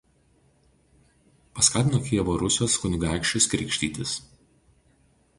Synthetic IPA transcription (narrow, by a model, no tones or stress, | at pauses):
pɐskɑːt̪ʲɪnoːkʲiɛʋoːɾʊsʲoːskʊnʲʊɡɑˑɪkʃʲt͡ʃʲʊskɾʲɪˑkʃʲt̪ʲiːt̪ʲɪs